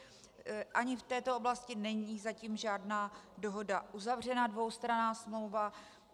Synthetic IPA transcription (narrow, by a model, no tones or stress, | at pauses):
ʔaɲɪft̪ɛːt̪ooblascɪnɛɲiːzaciːmʒaːdnaːdo̞ɦo̞daʔuzavr̝ɛnadvo̞wst̪ɾanaːsmlo̞wva